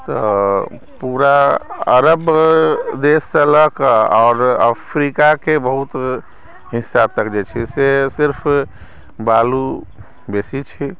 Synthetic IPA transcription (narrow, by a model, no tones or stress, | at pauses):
t̪ɔ | puɾaəɾəb | d̪esːẽləkəɔːɾəpʰɾikakebəɦut̪ | ɦisab̚t̪əkd͡ʒet͡ʃʰisesiɾpʰ | balu | besit͡ʃʰi